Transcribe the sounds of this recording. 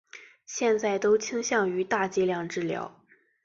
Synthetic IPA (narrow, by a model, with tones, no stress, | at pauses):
ɕjɛ˥˧nt͡sa˥˩ɪt̪o˥ʊt͡ɕʰi˥ŋɕjɑ˥˩ŋy˧˥t̪a˥˧t͡ɕi˥˧ljɑ˥˩ŋʈ͡ʂɻ̩˥˩ljɑ̰˧˥ʊ